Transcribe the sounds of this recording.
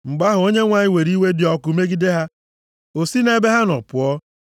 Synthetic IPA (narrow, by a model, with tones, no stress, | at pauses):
ŋ͡m̩˨ɡ͡ba˦ɦʊ˨o˦ɲe˦ŋʷa˨ɲɪ˦we˨ɾi˦we˦dɪ˨ɔ˦kʊ˨˦me˦ɡi˦de˦ɦa˦ | o˨si˦ne˨˦be˦ɦa˦nɔ˨pʊ˨ɔ˦